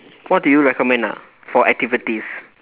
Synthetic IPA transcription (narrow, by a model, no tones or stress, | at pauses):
wɔt̚dujuɹɛkɔmɛ̃nda̰ | fɔʔɛk̚tivitis